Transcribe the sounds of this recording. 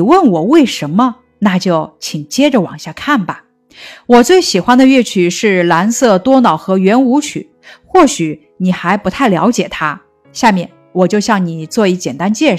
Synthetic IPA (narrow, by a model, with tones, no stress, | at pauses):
wə˥˩nwɔ˨˩we˥˩ɪʂə˧˥nmə˧ | na˥˧t͡ɕjo˥˩ʊt͡ɕʰi˨˩ŋt͡ɕjɛ˥ʈ͡ʂə˨wɑ̰˨˩ŋɕja˥˧kʰa˥˩nbɐ˩ | wɔ˨˩t͡swe˥˩ɪɕi˨˩xwa˥nd̪ə˨ɥɛ˥˩t͡ɕʰy˥˩ʂɻ̩˥˩la˧˥nsɤ˥˩t̪wɔ˥nɑ˨˩ʊxɤ˧˥ɥɛ˧˥nu˧˥t͡ɕʰy̰˨˩˦ | xwɔ˥˩ɕy˨˩˦ | ni˨˩xa˧˥ɪpu˧˥t̪ʰa˥˩ɪljɑ̰˧˥ʊt͡ɕjɛ˨˩t̪ʰa˥ | ɕja˥˧mjɛ˥˩n | wɔ˨˩t͡ɕjo˥˧ʊɕjɑ˥˩ŋni˨˩t͡swɔ˥˧i˧˥t͡ɕjɛ˨˩nt̪a˥nt͡ɕjɛ˥˩